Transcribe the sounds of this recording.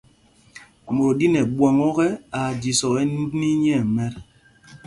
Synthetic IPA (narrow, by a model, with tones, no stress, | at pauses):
mo˨ɾo˨di˦nɛ˨ɓwɔ˨ŋɔ˦ɣɛ˦a˨d͡ʒi˨sɔ˨ɣɛ˦n˦dni˦ɲɛ˦˨mɛ˦ɾ